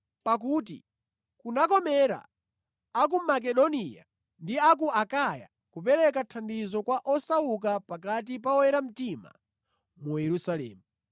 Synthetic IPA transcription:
pak̬uːt̬ḭ | kunakɔmɛɾa̰ | ak̬umak̬ɛɗɔnia̰ | ndiak̬uakaja̰ | kupɛɾɛk̬atʰandizɔkwaʔɔsauk̬apak̬at̬ipaɔɛɾam̩tima̰ | mujɛɾusalɛ̰ːmu

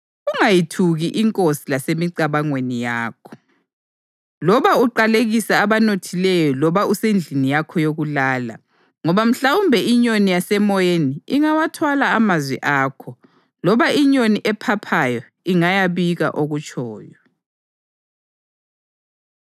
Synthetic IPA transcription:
uŋajitʰuɣiʔiŋkʼosilasemiǀaβaŋwenijaːkʰɔ̥ | lɔβauǃaleɣisaːβanotʰilɛjɔlɔβausend͡ɮʱinijakʰɔjoɣulaːla̰ | ŋɔβam̩ɬawumbʱɛiɲonijasɛmɔjeniiŋawatʰwalaːmazwḭʔaːkʰɔ | lɔβaʔiɲoniʔɛpʰapʰajɔ | iŋajaβiɣa̰ʔoɣut͡ʃʼɔ̰ːjɔ

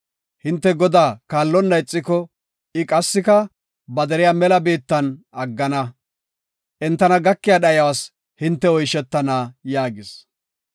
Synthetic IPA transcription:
hɪnt̪ːɛɡɔd̪aːkaːlːɔnːɐjɪt͡sʼːɪkɔ | ɪkʼɐsːɪkɐ | bɐd̪ɛɾɪjaːmɛlɐbeːt̪ːɐnɐɡːɐnɐ | ʔɛnt̪ːɐnɐɡɐkːɪjaːɗɐjɐwas | hɪnt̪ːɛɔjʃɛt̪ːɐnaːjaːɡɪs

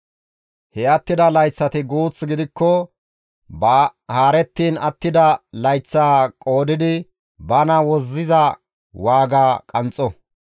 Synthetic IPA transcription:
hɛɐt̪ːɪd̪ɐlɐjt͡sːɐt̪ɪɡuːt͡sːɡɪd̪ɪkːɔ | bɐhaːɾɛt̪ːiːnɐt̪ːɪd̪ɐlɐjt͡sːaːkʼo̞ːd̪ɪd̪ɪ | bɐnɐwɔzːɪzɐ | waːɡaːkʼɐnt͡sʼːɔ

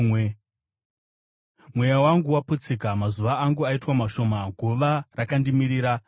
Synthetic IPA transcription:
e | mwe̞jawaŋɡuwaput͡sikamazuʋaːŋɡuaitwamaʃo̞maɡʱuʋarakandimiɾiːɾa

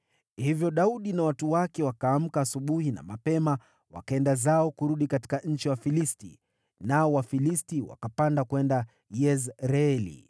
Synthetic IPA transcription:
hivjɔɗauɗinawatuwakɛwakaːm̩kaːsuɓuhina̰mapɛma | wa̰kaɛndazaɔkuɾuɗikati̥kaɲ̩t͡ʃiwafilistḭ | naɔwafilistiwa̰kapandakwɛnda | jɛzɾɛlḭ

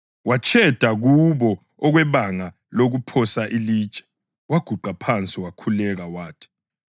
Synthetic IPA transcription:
wat͡ʃʰʼɛd̥ʱaɣuβɔ | ɔɣwɛβaŋa | loɣupʰɔsaʔiliːt͡ʃʼɛ̥ | waɡ̥ʱuǃapʰant͡sʼiwakʰulɛɣawaːtʰi̥

